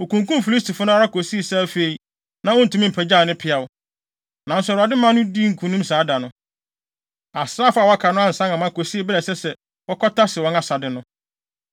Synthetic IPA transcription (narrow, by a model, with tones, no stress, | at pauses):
o˨kũ˨ŋkũ˦m˦fi˨li˦stʰi˨fʊ˦nʊ̃˦a˦ɾa˦kʰo˨si˦e˨sa˦fe˦i˦ | nã˦wɔ˦n̩˨tũ˦mĩ˦m̩˨pʰɛ˨d͡ʑa˦˨nɪ̃˦pʰɪ˨a˨wʊ˦ | nã˨n̩˦sʊ˦˨a˨dɪ˦mã˦nʊ̃˦di˦ŋ̩˨kʰũ˨nũ˦msaː˨˦da˨nʊ̃˦ | a˨sɾaː˦fʊ˦a˨wa˦kʰa˨nʊ̃˦ã˦n̩˨sã˦ŋã˨mã˦ko˨si˦e˨bɪ˦ɾɛ˨sɛ˦sɛ˨ | wɔ˦kʰɔ˦tʰa˦sɪ˨wɔ̃˦nã˨sa˨dɪ˨nʊ̃˦